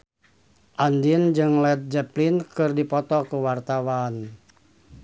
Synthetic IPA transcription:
ʔandind͡ʒɨŋlɛt̪̚d͡ʒɛplinkɨrdipɔt̪ɔkuwart̪awan

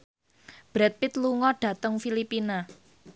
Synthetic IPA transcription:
b̥ɾɛt̪̚pɪt̪luŋɔɖ̥ä̤t̪əŋfilipina

